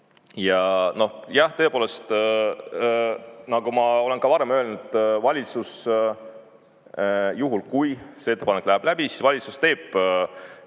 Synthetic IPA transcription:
jɑno̞hjɑht̪ɤ̞epoːle̞st̪ | nɑɡumɑo̞le̞nkɑvɑɾe̞mø̞lnut̪vɑlʲit̪sus | juɦulkujseet̪ːe̞pɑnekːˑlæhæb̥læb̥isi̥svɑlʲit̪sust̪e̞ːb̥

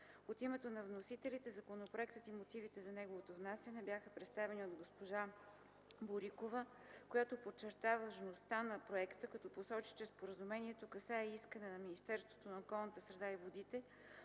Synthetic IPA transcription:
ot̪imɛt̪onɐvnosit̪ɛlit̪ɛzɐkonopɾoɛkt̪ət̪imot̪ivit̪ɛzɐnɛɡovot̪ovnasɛnɛbʲjaxəpɾɛt̪st̪avɛnʲiod̪ɡospoʒa | boɾikovə | kojat̪opot͡ʃɛɾt̪avəʒnost̪anɐpɾoɛkt̪əkɐt̪ɔposɔt͡ʃi̥t͡ʃɛspoɾəzumɛniɛt̪okɐsaɛiskənɛnɐminist̪ɛɾst̪vo̥t̪onɐokɔlˠnət̪əsɾɛd̪aivod̪it̪ɛ

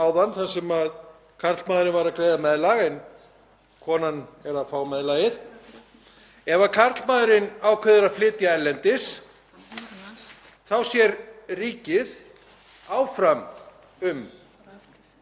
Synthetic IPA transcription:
awðanθansɛmað | kʰar̥t̪lmaːðɾɪnvaɾakɾejðamɛðlaɣɛn | kʰɔːnanɛɾafaːwmɛðlaɣɪð̥ | ɛvakʰarɾ̥t̪lmaːðɾɪnawkʰvœðʏɾaflɪːt̪jaɛɾlɛnt̪ɪs | θawsjɛɾriːcɪð | aːwfɾam | ʏm

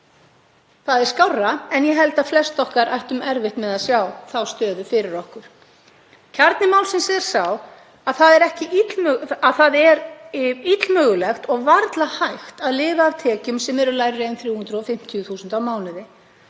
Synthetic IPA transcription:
θaðɛɾ̥skawrːaɛnjɛɦɛlt̪aflɛst̪ɔhkaɾʔa̰jht̪ʏmɛɾvɪht̪mɛðaðsjawθawst̪œːðʏfɪɾɪɾɔhkʏɾ̥ | cʰaɾt̪nɪmawlsɪnsɛɾ̥saw | aðθaðɛɾɛhcɪit̪lmaθaðɛɾit̪lmœːɣʏlɛxt̪ɔɣvaɾt̪lahajxt̪aðlɪːvaːvt̪ʰɛːcʏmsɛmɛɾʏlaːjɾɾeːjnθɾjuːhʏnd̪ɾʏɔfɪm̥t̪ʰijʏθuːsʏnt̪awmaːwnɪðɪ

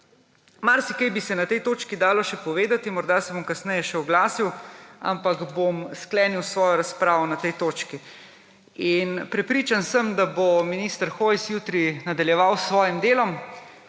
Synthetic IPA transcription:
maɾsikajbisɛnat̪ɛjt̪oːt͡ʃkid̪aːlɔʃɛpɔʋeːd̪at̪imɔɾd̪asɛbomkasnɛjɛʃɛɔɡlaːsiwa̰mpakbomsklɛːniwsʋɔːjɔɾaspɾaːʋɔnat̪ɛjt̪oːt͡ʃki | inpɾɛpɾiːt͡ʃansəmd̪abominist̪əɾxojsjuːt̪ɾinad̪aljɛʋawsʋɔːjimd̪eːlɔm

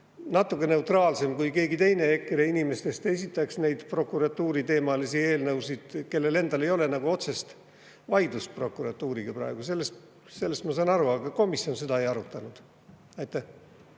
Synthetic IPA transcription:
nɑt̪ːˑukːˑene̞uwt̪rɑːlse̞mkujke̞ːɡit̪ejne̞ekːɾeinime̞st̪e̞st̪e̞sʲit̪ˑːɑksne̞jd̪̥pro̞kˑuɾɑt̪ːuːɾit̪e̞ːmɑlisie̞ːlnɤwsid̪̥ke̞lːe̞le̞nd̪̥ɑle̞jo̞le̞nɑɡ̥uo̞t̪se̞st̪ | vɑjd̪̥uspro̞kːˑuɾɑt̪ːˑuːɾiɡ̥ɑprɑ̰eɡ̥use̞lːest̪ | se̞lːest̪mɑsɑnɑɾuɑɡ̥ɑko̞misjo̞nse̞d̪ɑe̞jɑɾut̪ːˑɑnud̪̥ | ɑjt̪ːˑæh

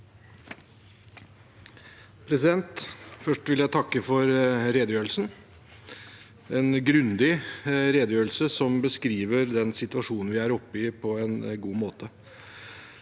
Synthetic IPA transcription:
pʰɾɛsɪd̪ɛnt̪fœʂʈʋɪljæɪt̪ʰɑkːəfɔɾɾeːd̪əjøːɾlsn | ɛnɡɾʉnd̪ɪɾeːd̪əjøːɾəl̩səsɔmbəskɾiːʋəɾd̪ɛnsɪt̪ʋɑʂuːnn̩ʋɪæɾɔpːɪpʰɔɛnɡuːmoːt̪ʰə

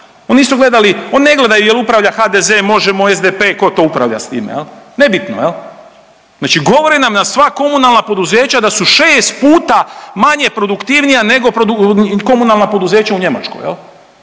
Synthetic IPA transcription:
o̞nisuɡle̞d̪alio̞nine̞ɡle̞d̪ajujelupɾaʋʎaxaːd̪ezemo̞ʒemo̞ezd̪epe̞ːko̞t̪o̞upɾa̰ʋʎa̰st̪ḭːmḛjelne̞bit̪no̰jel | znaːt͡ʃiɡo̞ʋo̞ɾinamnasʋako̞munalˠnapo̞d̪uze̞ːt͡ɕad̪asuʃeːst̪̚puːt̪amaɲe̞pɾo̞d̪ukt̪iʋnijane̞ɡo̞pɾod̪uko̞munalˠnapo̞d̪uze̞ːt͡ɕauɲe̞ma̰t͡ʃko̰jḛl

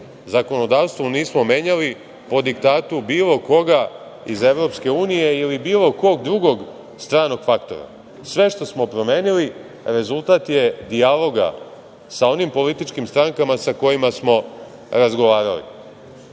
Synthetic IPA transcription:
zako̞no̞d̪aːʋst̪ʋoniːsmo̞me̞ːɲali | po̞d̪ikt̪aːt̪ubiːlˠo̞ko̞ɡa | ize̞ʋɾo̞pske̞uːnije̞ilibiːlˠo̞ko̞ɡd̪ɾuɡo̞ɡ | st̪ɾaːno̞ɡ̥fakt̪o̞̰ɾa̰ | sʋe̞ʃt̪o̞smo̞pɾo̞meːnili | ɾe̞zulˠt̪aːt̪je̞d̪ialo̞ɡa̰ | sao̞nimpo̞lit̪it͡ʃkimst̪ɾaŋkamasako̞jimasmo̞ | ɾazɡo̞ʋaːɾalḭ

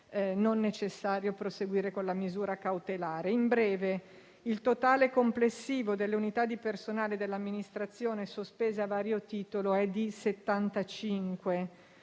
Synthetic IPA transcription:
nonːet͡ʃesːaːɾjopɾoseɡwiːɾekonlamizuːɾakawt̪elaːɾeimbɾɛːve | ilt̪ot̪aːlekomplesːiːvod̪elːeunit̪ad̪ːipersonaːled̪elːamːinist̪ɾat̪sːjoːnesospeːzeavaːɾjot̪iːt̪oloɛd̪iset̪ːant̪at͡ʃiŋkwe

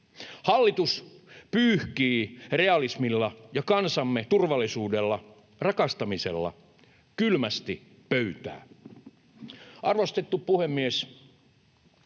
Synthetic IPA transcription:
hɑlːit̪uspyːhkiːreɑlismilːɑjɑkɑnsɑmːet̪urʋɑlːˑisuːdelːɑ | rɑkɑst̪ɑmisḛlːɑ̰ | kylmæst̪i | pøyt̪æ̰ː | ʔɑrʋost̪et̪ːuppuhemːies

